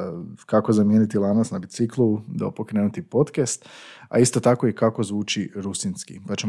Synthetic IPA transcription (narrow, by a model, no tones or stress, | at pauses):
kako̞zamje̞nit̪ilˠanasnabit̪siklˠud̪a̰opo̞kɾenut̪ipo̞t̪kest̪a̰ist̪o̞t̪ako̞ikako̞zʋuːt͡ʃiɾusinskḭpat͡ʃem